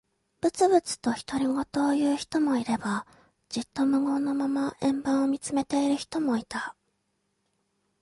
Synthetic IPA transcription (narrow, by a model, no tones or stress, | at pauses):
b̥ɯ̟t͡sɨbɯ̟t͡sɨ̥t̪o̞çi̥t̪o̞ɾʲiɡo̞t̪o̞ːjɯ̟ːçi̥t̪o̞mo̞iɾe̞ba | d͡ʑit̪ːo̞mɯ̟ɡo̞ːno̞mamaʔẽ̞mbãɰ̃o̞mʲit͡sɨme̞t̪e̞iɾɯ̟çi̥t̪o̞mo̞it̪a